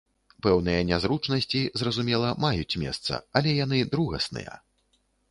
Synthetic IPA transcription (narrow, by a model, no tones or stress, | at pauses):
pɛwn̪ɨjɐnʲazɾut͡ʂnɐsʲt͡sʲizrɐzumʲɛlˠɐmajut͡sʲmʲɛ̰st̪sɐ̰ɐlʲɛjan̪ɨd̪ɾuɣɐ̰snɨ̰jɐ̰